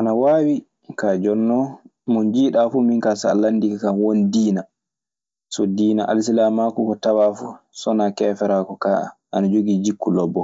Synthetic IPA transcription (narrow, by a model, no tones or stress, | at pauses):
ʔanawaːwi | kad͡ʒɔnːɔmɔnd͡ʒiːɗafuminkasa̰lanːdikakawondiːna | sɔdiːnaʔa̰lsilamakukɔtawafu | sɔnakɛːfɛɾakɔka̰ʔa̰nad͡ʒoɡiːd͡ʒikːulɔbːɔ